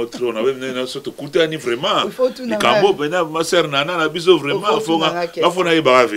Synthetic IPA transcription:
ot̪ɾonawenɛnasot̪okut̪eanivɾɛmãlikambopɛnãmasɛɾnanãnabizovɾɛmãfoŋɡaafonajebakave

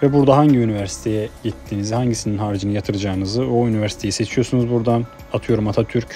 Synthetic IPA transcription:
vɛbuɾd̪aɦaɲɟiynivæɾsi̥t̪ʰe̞jɛɟit̪ʰːinizihaɲɟisininɦaːɾid͡ʒɯnɯjat̪ʰɯɾɯd͡ʒaːɯnɯzɯoynivæɾsi̥t̪ʰe̞jise̞t͡ʃʰijo̞ɾsunuzbuɾd̪an | at̪ʰɯjo̞ɾumat̪ʰat̪ʰyɾc

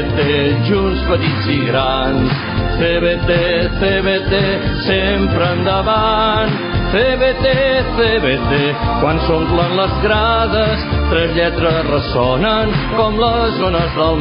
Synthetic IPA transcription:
t̪eʒunsfəɾiziɣɾa | ns | θeβet̪eθeβet̪e | sempɾəːnd̪əβan | θeβet̪eθeβet̪ekwansomplanləzɣɾaðəst̪ɾɛzʎɛt̪ɾəzrəsɔnəŋkɔmləzonəzðəlˠ

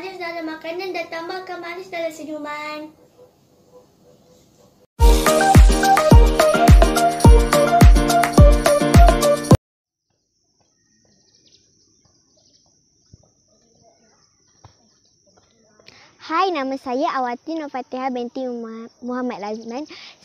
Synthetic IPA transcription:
adɪsdalamːakanandat̪ambalkamanisdalamsəduman | hajnamasajaʔawat̪inofat̪eɦabɛnt̪imuɦamat̪̚lazmans

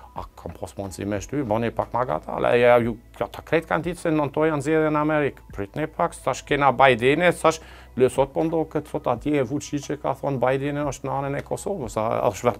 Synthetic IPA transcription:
a̰kʰɔmpʰɔsmɔnsḭmɛʃt̪ybɔnepakmaɡa̰t̪a̰lɛ̰jaju | at̪ʰakɾɛt̪̚kant̪it̪sɛnːɔnt̪ɔjanzeðənamɛɾikpɾyt̪nepʰaksaʃkɛnabajd̪ɛnɛsaʃ | løsɔt̪̚pɔnd̪ɔkəsɔt̪at̪jɛvut͡ʃit͡ʃɛka̰θɔnbajd̪ɛnɛɔʃt̪naːnɛnɛkɔsoːvɔsa̰a̰ʃvɛ

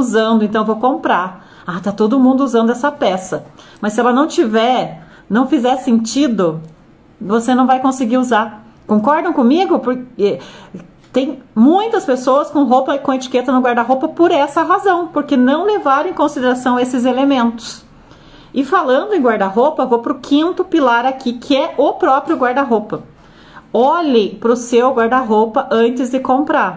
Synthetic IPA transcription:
uzɐ̃nd̪ʊẽt̪ɐ̃w̃vowkõmpɾaɾ | at̪at̪od̪ʊmũnd̪ʊuzɐ̃nd̪ʊɛsɐpɛsɐmɐssːɪɛlɐnɐ̃w̃t͡ʃivɛɾ | nɐ̃w̃fizɛɾsẽnt͡ʃid̪ʊ | vosenɐ̃w̃vajkõsɪɡiuzaɾ | kõŋkɔɾd̪ɐ̃w̃kõmiɡʊpʊɾɛ | t̪ẽj̃mũj̃t̪ɐspesowɐskõɦowpɐɪkõet͡ʃi̥ket̪ɐnʊɡwaɾd̪ɐɦowpɐpoɾɛsɐɦazɐ̃w̃poɾkenɐ̃w̃levaɾ̃ẽkõsid̪eɾasɐ̃w̃ɐesɪzelemẽnt̪ʊ̥s | ɪfalɐ̃nd̪ʊẽɡwaɾd̪ɐɦopɐvowpɾʊkʰĩnt̪ʊpilaɾakʰikʰɪɛʔʊpɾɔpɾiʊɡwaɾd̪ɐɦopɐ | ɔʎẽpɾʊsewɡwaɾd̪ɐɦopɐʔɐ̃nt͡ʃɪzd̪ɪkõmpɾaɾ

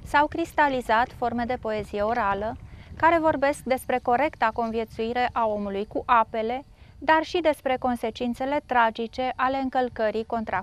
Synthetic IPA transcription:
sawkɾist̪alizat̪fo̞rme̞d̪e̞po̞e̞zije̞o̞ɾaləkaɾe̞vo̞rbe̞sk̚d̪e̞spɾe̞ko̞ɾe̞kt̪ako̞nvje̞t̪suiɾe̞ʔao̞mulujkuʔape̞le̞ | d̪arʃid̪e̞spɾe̞ko̞nse̞t͡ʃint̪se̞le̞t̪ɾad͡ʒit͡ʃe̞ʔale̞ɨŋkəlkəɾiko̞nt̪ɾa

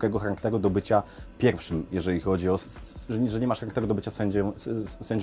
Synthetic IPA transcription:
kɛɡɔxaɾakt̪ɛɾud̪ɔbɘt͡ɕapʲjɛɾfʂɘmjɛʐɛlʲixɔd͡ʑiɔsʐɛʐɛɲɛmaʂxaɾakt̪ɛɾud̪ɔbɘt͡ɕasɛɲd͡ʑɛsɛɲd͡ʑ

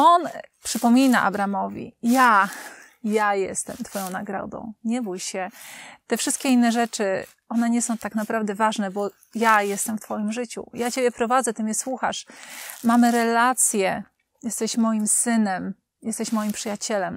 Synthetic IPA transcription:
ɔnpʂɘpɔmʲina̰ʔa̰bɾamɔvʲḭja | jajɛ̰st̪ɛ̰mt̪fɔjɔ̃w̃naɡɾɔ̰d̪ɔ̰̃w̃ɲɛbujɕɛt̪ɛfʂɘst̪kʲɛinːɛʐɛt͡ʂɘ | ɔnɛɲɛsɔ̃w̃t̪aknapɾavd̪ɛvaʐnɛbɔ | jajɛst̪ɛmft̪fɔjimʐɘt͡ɕṵjat͡ɕebʲjɛpɾɔvad̪zɛt̪ɘmʲjɛswuxa̰ʂmamɘɾɛlat̪sʲjɛ | jɛst̪ɛɕmɔjimsɘnɛm | jɛst̪ɛɕmɔjimpʂɘjat͡ɕɛlɛm

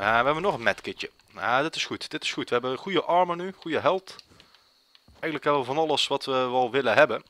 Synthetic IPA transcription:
aʋəɦɛbənɔχənmɛtkɪt͡ʃə | adɪtɪsχutd̥ɪtɪ̥sχutʋəɦɛbəχujəʔɑɹmənyχujəɦɛlˠt | ʔɛjələkɦɛbəʋəvɑnɑləsʋɑtʋəʋɛlˠʋɪləɦɛbən

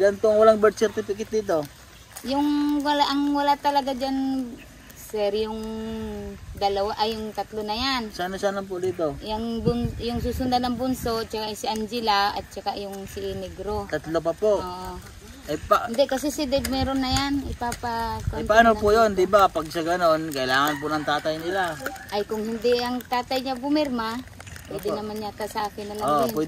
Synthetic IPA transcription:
janp̪oaŋwalaŋbɛɾt̪̚sɛɾt̪ɪfɪkɪt̪̚d̪iːt̪̬o | jʊŋwalaʔɐŋwɐlat̪ɐlɐɡad͡ʒan | sɛɾjʊŋ | d̪ɐlawaʔajʊŋt̪ɐt̪lonɐjansaanosanlamp̬ʊd̪iːt̪ojaŋbʊnjʊŋs̬uːsʊnd̪anɐŋbʊnsot͡ʃakajsiʔand͡ʒɪlaʔɐ̰t̪̚t͡ʃakaʔjʊŋsɪʔnɛɡɾot̪at̪lop̬apoʔoʔ | apɪnd̪ɛʔkɐsɛsɪd̪ɛmɛɾonːɐjanɪpaːpakojnpaʔanopʊjond̪ɪbapɐɡsaɡɐnonkɐʔɪlaːŋɐnp̬ʊnɐŋt̪aːt̪ajnɪlaʔajkʊŋhɪnd̪ɪɐŋt̪aːt̪ajɲabʊmɛɾma | pojd̪ɪnɐmanɲak̪asɐʔaːkɪnːɐlao

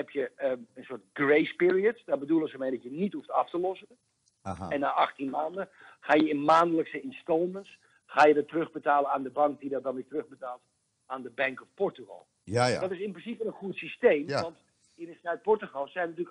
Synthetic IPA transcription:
ɦɛpjəəənsoətɡrejspɪɹiətsdɔbədulˠənzəmɛjdɔtjənithuftɑftəlɔsən | ɛnːaʔɑχtinmaːndəχaːjəɪnmaːndələksəɪnstɔlˠməns | χaːjədɔtːərøχbətaːlˠənaːndəbɑŋk̚didɔt̚dɔnʋɪtrøxbətaːlˠt | aːndəbɛŋkɔfpɔrtuɣɔ̰lˠ | adɔtɪsɪnprəsipəənχuətsisteːmʋɑnt | ɪnəsœɥt̚pɔɹtuχɔlˠsːɛjnətyːlək

